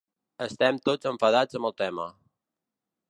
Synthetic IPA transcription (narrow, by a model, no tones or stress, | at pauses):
əst̪ɛmt̪od͡zəɱfəðad͡zəmbəlˠt̪ɛmə̰